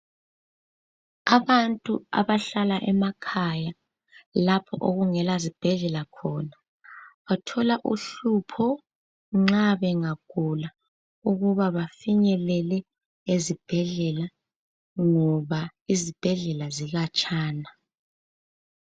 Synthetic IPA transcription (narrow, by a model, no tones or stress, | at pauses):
aβantʼua̰βaɬalaʔɛmakʰaja | lapʰɔʔoɣuŋɛlazib̥ʱɛɮɛlakʰɔna | βatʰɔlaʔṵɬupʰɔ | ŋ͡ǁaβɛŋaɡ̥ʱula | uɣuβaβafiɲɛlɛlɛ | ezib̥ʱɛɮɛla | ŋɔβaizib̥ʱɛɮɛlaziɣat͡ʃʼaːna